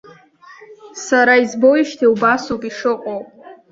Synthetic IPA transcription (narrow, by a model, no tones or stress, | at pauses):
saɾaizbojiʃtʰiwbasopʼiʂɨqʷʼowpʼ